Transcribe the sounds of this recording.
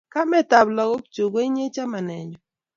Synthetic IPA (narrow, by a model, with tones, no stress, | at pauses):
ka˦mɛ˦ta˨blɔ˨ɡo˦kt͡ʃo˨ɡo˦i˦ɲe˦t͡ʃa˦ma˨nɛ˨ɲd͡ʒɔ˨